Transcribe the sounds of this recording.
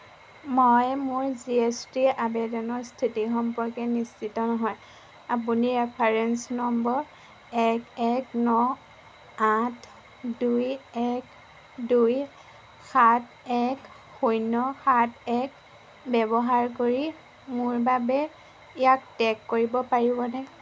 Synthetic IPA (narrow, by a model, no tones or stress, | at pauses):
mojmʊɹziestiʔabɛdɔnɔɹstʰitixɔmpɔɹkɛnist͡ʃitɔnɔɦɔj | ap̬uniɹɛpʰaɹɛnsnɔmbɔɹ | ɛkɛknɔ | atʰ | dujɛk | duj | xatʰ | ɛk | hujnɔxatʰɛk | bɛbɔɦaɹkoɹi | mʊɹbabɛ | ijak̚tɛkːoɹibɔpaɹibɔnɛ